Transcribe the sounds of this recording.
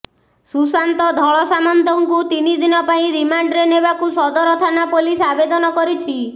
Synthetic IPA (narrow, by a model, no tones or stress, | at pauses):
susant̪ɔd̪ʱɔɭɔsamɔnt̪ɔŋkut̪inid̪inɔpaĩɾimaɳɖɾenebakusɔd̪ɔɾɔt̪ʰanapolisabed̪ɔnɔkɔɾit͡ʃʰi